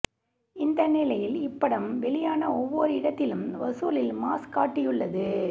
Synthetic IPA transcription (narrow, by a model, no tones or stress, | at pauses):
ɪnd̪ɐnɪlɐjɪlɪpːɐɽɐmʋɛɭɪjaːnɐɔʋːɔːɾɯɪɽɐt̪ːɪlɯmʋɐsuːlɪlma̰ːskaːʈːɪjɯɭːɐðɯ